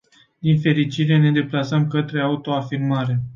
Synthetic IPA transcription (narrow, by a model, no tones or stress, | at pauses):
d̪infe̞ɾit͡ʃiɾe̞ne̞d̪e̞plasəmkət̪ɾe̞aut̪o̞afirmaɾe̞